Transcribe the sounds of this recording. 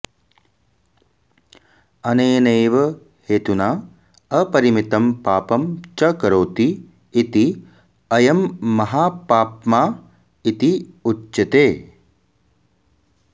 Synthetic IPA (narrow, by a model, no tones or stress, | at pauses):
ɐneːneːʋɐ | heːt̪unaː | ɐpɐɾimit̪ɐmpaːpɐmt͡ʃɐkɐɾoːt̪iː | t̪i | ɐjɐmːɐɦaːpaːpmaː | it̪iutːt͡ʃɐt̪eː